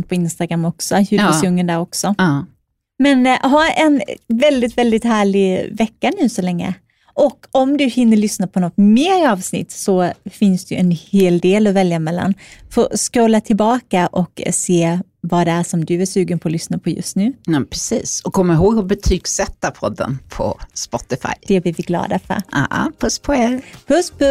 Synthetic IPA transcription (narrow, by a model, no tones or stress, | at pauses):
pʰɔɪnst̪aɡɾamːɔksɔhʉɪsjɵŋːənd̪æɾɔksɔ | mɛnɦɑːɛ̰nvɛld̪ɪt̪vɛld̪ɪt̪hæːɭɪvɛkːanʉ̟ːsɔlɛŋːə̰ | ʔɔkːɔmd̪ɵhɪnːəɭʏsnapʰɔnɔt̪ːmeːɾɑːvsnɪ̰t̪ːsɔfɪnsd̪ɛjɵɛnheːld̪eːlɔvɛljamɛlːa̰nfo̰ːskoːlːat̪ʰɪlbɑːkaʔɔkseː | vad̪ɛæʂɔmd̪ɵæʂʉ̟ːɡənpʰɔːlʏsnapʰɔjɵ̰st̪nʉ̟ːɑpʰɾɛsiːsɔkʰɔmːaɾɦoːɡhʊɾbɛt̪ʰyːɡsɛt̪ːapʰɔd̪ːə̰npʰɔ̰spɔt̪ɪfa̰jd̪̥ɛblɪvɪɡlɑ̰ːd̪afœ̰ɾ̰ɑ̰pʰɵspʰɔeːɾpʰɵspʰ